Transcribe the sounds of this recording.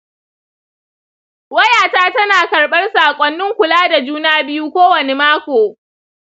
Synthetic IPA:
wɐ˦jaː˨taː˦tɐ˦naː˨kɐ˨rɓɐ˦rsaː˨kʷʼɐ˦nːɪ˦ŋkʷʊ˨laː˦da˨d͡ʒuː˦naː˦bɪ˦ju˦kʷoː˦wɐ˨ne˦maː˦kʷoː˨

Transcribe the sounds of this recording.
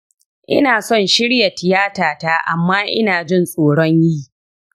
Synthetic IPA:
ʔɪ̰˦naː˨sɔ˦˨nʃɪ˦ɽja˨tɪ˨jaː˦taː˨ta˦ʔa˨mːaː˦ʔɪ̰˦naː˨d͡ʒɪ˦nsʼoː˨ɽɔ˦ɲjiː˦˨

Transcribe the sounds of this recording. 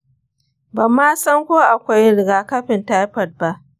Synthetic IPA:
bɐ˨mːaː˦sɐ˦ŋkʷoː˦ʔa˨kʷa˦jɽɪ˨ɡaː˨kɐ˦ɸɪ˨nta˦jɸɐ˨t̚ba˦ʔ

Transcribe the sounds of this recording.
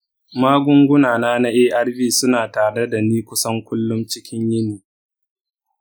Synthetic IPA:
maː˦ɡʷʊ˦ŋɡʷʊ˦naː˨naː˦na˦ʔeː˦ʔa˦ɽbiː˦sʊ˦naː˨taː˨ɽe˦da˨niː˦kʷʊ˦sɐ˦ŋkʷʊ˦lːʊ˦mt͡ʃɪ˦kʲɪ˦ɲjɪ˦niː˨

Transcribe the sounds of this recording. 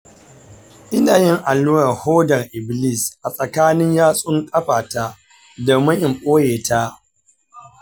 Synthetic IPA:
ʔɪ˦naː˨jɪ˦ŋʔa˨nːuː˦ɾɐ˨rhoː˦dɐ˨ŋʔɪ˨bli˦˨sʔa˨sʼɐ˨kaː˦nɪ˦ɲjaː˦sʼʊ˦ŋkʼɐ˦ɸaː˨ta˦ | do˨mɐ˦ʔɪ˨mkʼoː˦jeː˨ta˦

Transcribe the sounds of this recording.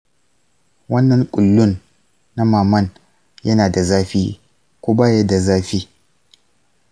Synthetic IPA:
wɐ˦nːɐ˨ŋkʷʼʊ˨lːʊ˦nː | a˦maː˨mɐ˦˨n | jɐ˦naː˨da˨zaː˦ɸiː˦ | kʷoː˦baː˦ja˦da˨zaː˦ɸiː˦

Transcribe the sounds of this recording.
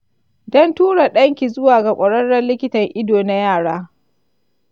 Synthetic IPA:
dɔ˦ntuː˦ɽa˨ɗɐ˦ŋkʲi˨zʊ˦waː˨ɡa˨kʷʼɐ˨ɽɐ˦ɽɐ˦lɪ˦kʲɪ˦tɐ˨ŋʔɪ˦doː˨na˦jaː˦˨ɽaː˦

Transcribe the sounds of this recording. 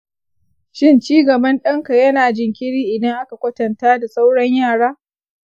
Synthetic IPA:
ʃɪ˦nt͡ʃiː˦ɡɐ˨bɐ˦nɗɐ˦ŋka˨jɐ˦naː˨d͡ʒɪ˨ŋkʲɪ˦ɽiː˦ʔɪ˨dɐ˦ŋʔa˦ka˨kʷɐ˦tɐ˨ntaː˦da˨sʼa˦wɽɐ˦ɲjaː˦˨ɽaː˦

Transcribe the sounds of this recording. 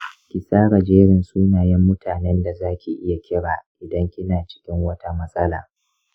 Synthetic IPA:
kʲɪ˨sʼaː˦ɽɐ˨d͡ʒeː˦ɽɪ˨nsuː˦naː˨jɛ˦mːʊ˦tʰaː˨nɛ˦nda˨zaː˦kʲi˨ʔɪ˦ja˨kʲɪ˦ɽaː˨ʔɪ˨dɐ˦ŋkʲɪ˦naː˨t͡ʃɪ̥˦kʲɪ˦ŋwɐ˦ta˦mɐ˦sʼɐ˦la̰ː˨

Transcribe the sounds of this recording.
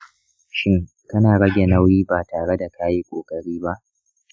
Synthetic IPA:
ʃɪ˦ŋ | kɐ˦naː˨ɽɐ˦ɡʲe˨na˦wjiː˦baː˨taː˨ɽe˦da˨ka˦ji˦kʷʼoː˨kʼɐ˨ɽiː˦ba˦ʔ

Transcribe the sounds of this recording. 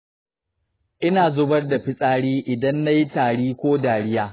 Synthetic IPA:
ʔɪ˦naː˨zʊ˦bɐ˦rda˨ɸɪ˦sʼaː˦ɽiː˦ʔɪ˨dɐ˦nːa˦ji˦taː˨ɽiː˦kʷoː˦daː˨ɽɪ˦jaː˦

